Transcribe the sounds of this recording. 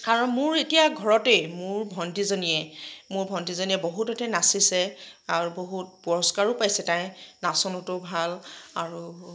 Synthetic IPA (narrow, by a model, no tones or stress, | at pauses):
kaɹɔnmʊɹetijaɡʱɔɹɔtejmʊɹbʱɔntizonijɛmʊɹbʱɔntizonijɛboɦutɔtɛnasisɛaɹuboɦut̚puɹɔskaɹʊpajsɛtãjnasɔnɔtʊbʱalaɹu